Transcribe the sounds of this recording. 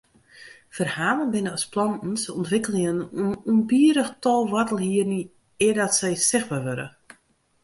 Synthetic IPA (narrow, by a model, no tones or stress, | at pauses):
fərhaːlˠənbɪnəɔsplɔnn̩səɔntʋɪkəlɪŋənununbiəɾəxtɔlˠʋatəlˠhiərni | ɪərdɔtsɛjsɪxbaːrʋøɾə̰